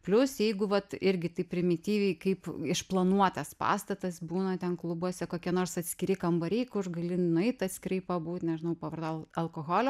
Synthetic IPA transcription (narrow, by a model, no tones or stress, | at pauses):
pʲlʲʊsjɛɪɡʊʋɐt̪ɪɾʲɡʲɪt̪ɐɪpʲɾʲɪmʲɪt̪ʲiːʋʲɛɪkɐɪpɪʃplˠɐnuɔt̪ɐspɑ̰ːst̪ɐt̪ɐsbuːnɐt̪ʲɛnklˠʊbuɔsʲɛkoːkʲiɛnoːrsɐt̪ʲsʲkʲɪɾʲɪkɐmbɐɾʲɛɪkʊrɡɐlʲɪnʊɛɪt̪ɐt̪ʲsʲkʲɪɾɐɪpɐbuːt̪ʲnʲɛʒʲɪnɐʊpɐʋɐrd̪oːɐlˠkoːɣoːlʲo